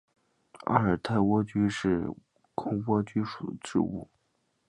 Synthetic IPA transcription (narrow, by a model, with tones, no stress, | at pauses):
a̰˥˩ə˞˨˩t̪ʰa˥˩ɪwɔ˥t͡ɕy˥ʂɻ̩˥˩ | kʰʊ˥ŋkwɔ˥t͡ɕy˥ʂu̥˨˩d̪ə˦ʈ͡ʂɻ̩̰˥˧ṵ˥˩